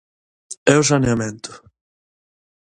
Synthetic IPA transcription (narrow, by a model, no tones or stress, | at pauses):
ɛʊsaneament̪ʊ̥